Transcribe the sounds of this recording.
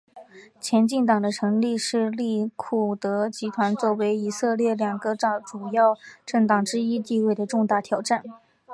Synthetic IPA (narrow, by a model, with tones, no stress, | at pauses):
t͡ɕʰjɛ˧˥nt͡ɕi˥˩ŋt̪ɑ˨˩ŋd̪ə˦ʈ͡ʂʰɤ˧˥ŋli˥˧ʂɻ̩˥˧li˥˩kʰu˨˩t̪ɤ˧˥t͡ɕi˧˥t̪ʰwa˧˥nt͡swɔ˥˩we˧˥ɪi˨˩sɤ˥˧ljɛ˥˩ljɑ˨˩ŋɡə˦ʈ͡ʂɑ˨˩ʈ͡ʂu˨˩jɑ˥˩ʊʈ͡ʂɤ˥˩ŋt̪ɑ˨˩ŋʈ͡ʂɻ̩˥i˥t̪i˥˧we˥˩ɪd̪ə˩ʈ͡ʂʊ˥˧ŋt̪a˥˩t̪ʰjɑ˨˩ʊʈ͡ʂa˥˩n